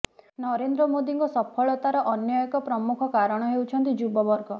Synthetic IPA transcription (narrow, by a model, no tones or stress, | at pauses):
nɔɾend̪ɾɔmod̪iŋkɔsɔpʰɔɭɔt̪aɾɔʔɔnjɔjɔkɔpɾɔmukʰɔkaɾɔɽ̃ɔɦewt͡ʃʰɔnt̪id͡ʒubɔbɔɾɡɔ